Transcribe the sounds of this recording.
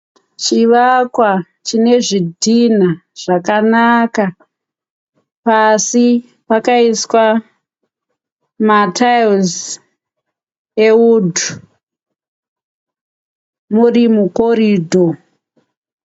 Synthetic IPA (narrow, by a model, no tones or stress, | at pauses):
t͡ʃiʋakwa | t͡ʃine̞ʐidʱinaʐ̥akanaka | pasi | pakaiswa | matajz | e̞udʱu | murimuko̞ɾiːdʱo